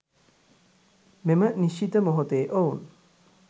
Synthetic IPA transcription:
meməniʃit̪əmoɦot̪eːʔoun

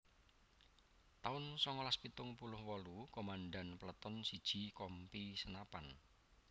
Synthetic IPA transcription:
t̪aʊnsɔŋɔlaspit̪ʊŋpulʊhwɔlukomanɖanpələt̪ɔnsid̥ʒ̥i̤kɔmpisənapan

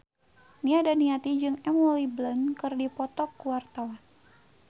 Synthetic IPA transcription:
niadaniat̪id͡ʒɨŋɛmɔliblənkɨrdipɔt̪ɔkːuwart̪awan

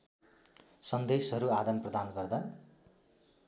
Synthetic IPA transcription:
sʌnd̪esɦʌɾuad̪ʌmprʌd̪anɡʌrd̪a

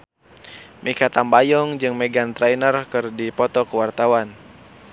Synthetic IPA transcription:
mʔikat̪ambajɔŋd͡ʒɨŋmɛɡant̪ɾajnərkɨrdipɔt̪ɔkəwart̪awan

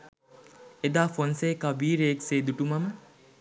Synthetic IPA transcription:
ed̪aːfonseːkaʋiːɾeekseːd̪uʈumamə

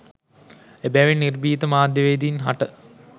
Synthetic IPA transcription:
ebæʋinirbiːt̪əmaːd̪jəʋeːd̪iːnɦaʈə

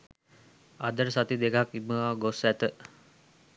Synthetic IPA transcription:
ad̪əɾsat̪id̪ekaɦakiməaɡosæt̪ə

